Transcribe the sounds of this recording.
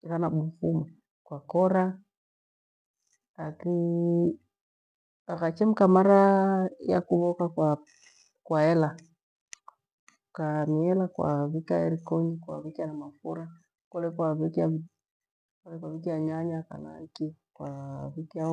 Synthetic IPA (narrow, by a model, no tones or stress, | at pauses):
ɣanaɓufuma | kwakɔɾa | aki | aɣat͡ʃɛm̩kamaɾaja̰kuβɔkakwa | kwaɛla | kamiɛlakwa̰βikaɛɾikɔɲikwa̰βikianamafuɾa | kɔlɛkwaβikia | kɔlɛkwaβikiaɲaɲaka̰na̰kikwaβikia